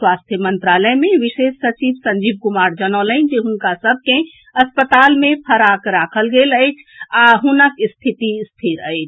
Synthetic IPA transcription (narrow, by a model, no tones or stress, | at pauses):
swaːst̪ʰjəmənt̪ɾaːləmẽʋiʃesːət͡ʃibsə̃ɲd͡ʒiːb̚kumaːɾd͡ʒənələɪd͡ʒeɦʊnkasəb̚ʱkẽ | əspət̪aːlmẽpʰəɾakɾaːkʰəlɡeləɪt͡ʃʰaɦunəkst̪ʰit̪ist̪ʰiɾət͡ʃʰ